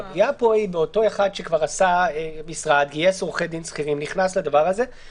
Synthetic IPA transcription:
ɡijapo̞ibeo̞t̪o̞eχad̪ʃekvaʁasamisʁad̪ɡiesʁoχed̪insχiʁimniχnaslad̪avaʁaze̞

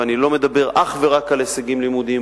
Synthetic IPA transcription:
anilo̞me̞d̪abe̞ʁʔaχve̞ʁakaleseɡimlimud̪i

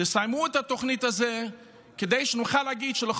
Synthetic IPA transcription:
əsajmuɛtatoχnitazɛ | kədeɪʃənuχalaɡidʃəlɪχ

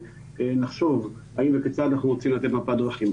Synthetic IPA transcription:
enaχʃo̞vhaimveket͡sat̪anaχnuʁot͡simlat̪e̞t̪mapad̪ʁaχim

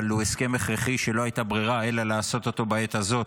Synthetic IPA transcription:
lueske̞meχʁeχiʃe̞lo̞hajt̪abʁiʁae̞lalaːso̞t̪o̞t̪o̞bae̞t̪azo̞t

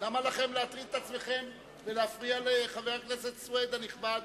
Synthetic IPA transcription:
lamalaχe̞mleat̪ʁiet̪at͡sme̞χe̞m | veleafʁialeχaveʁaknese̞t̪swed̪aniχbad̪

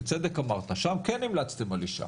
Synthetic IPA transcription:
t͡sed̪ekamaʁt̪aʃamkenːimlat͡st̪emaliʃa̰

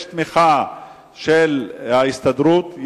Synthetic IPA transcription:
ʃt̪miχa | ʃelhaist̪ad̪ɾuːt̪j

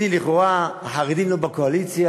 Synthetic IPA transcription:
iliχoʁahaʁid̪imlobakoalit͡sja

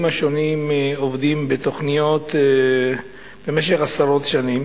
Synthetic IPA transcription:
maʃo̞nimovd̪imbet̪o̞χnijo̞t̪ | b̥emeʃ̬eχasaɾo̞t̪ʃanim

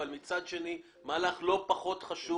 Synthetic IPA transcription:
almit͡sad̪ʃe̞ni | maːlaχlo̞paχo̞t̪χaʃu

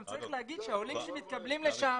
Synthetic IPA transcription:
mt͡saʁiχleɦaɡid̪̥ʃeaolimʃemit̪̚kablimleʃa

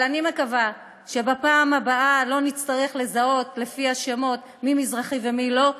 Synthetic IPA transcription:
lanimekava | ʃe̞bapaːmabaʔalo̞nit͡st̪aʁeχle̞zao̞tle̞fiaʃemo̞t | mimizʁaχivemilo̞

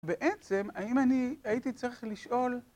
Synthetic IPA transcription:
beʔet͡semaimaniait̪it͡saʁiχliʃʔo̞l

